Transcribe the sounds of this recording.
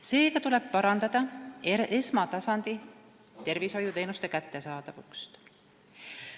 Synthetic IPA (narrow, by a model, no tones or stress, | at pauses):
se̞ːkɑt̪ule̞b̥̚pɑɾɑnd̪ɑd̪̥ɑeʔesmɑt̪ɑsɑnd̪̥i | t̪e̞rviso̞jut̪e̞ːnust̪e̞kæt̪ːe̞sɑːd̪̥ɑvukst̪